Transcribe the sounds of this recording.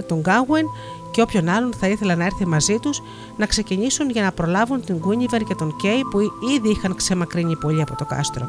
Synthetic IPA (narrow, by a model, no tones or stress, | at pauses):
t̪o̞ŋɡɐɣwen | ce̞o̞pço̞nɐlo̞nθɐiθe̞lɐnɐe̞ɾθimɐzit̪us | nɐkse̞ciɲisunʝɐnɐpɾo̞lɐvunt̪iŋɡuɲive̞nce̞t̪o̞ŋce̞jpuiðiixɐŋkse̞mɐkɾiɲipo̞ʎiɐpo̞t̪o̞kɐ̰st̪ɾo